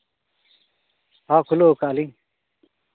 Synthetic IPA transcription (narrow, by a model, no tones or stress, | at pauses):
haːkʰulokaːli